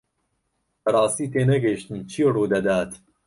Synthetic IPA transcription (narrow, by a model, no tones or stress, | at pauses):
bɐɾˤɑːst̪iːt̪eːnɐɡɐʃt̪ɨmt͡ʃʰiːruːd̪ɐd̪aːt̪